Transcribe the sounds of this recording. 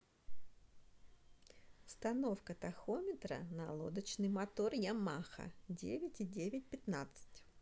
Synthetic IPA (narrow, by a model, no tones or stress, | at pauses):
st̪ɐno̞fkət̪ɐxomʲɪt̪ɾə̰nɐlˠo̞̰d̪ət͡ɕnɨjmɐt̪o̞rjamaxə̰dʲḛvʲɪtʲidʲevʲɪt̚ʲpʲɪt̪nat̪sɨ̥tʲ